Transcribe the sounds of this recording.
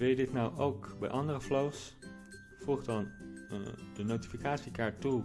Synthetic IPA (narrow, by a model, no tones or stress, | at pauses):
ʋɪlˠjədɪtnɔwʔowkbɛ̰jʔɑndərəflows | v̥uχdɑn | dənowti̥fikaːtsikaːɹtːu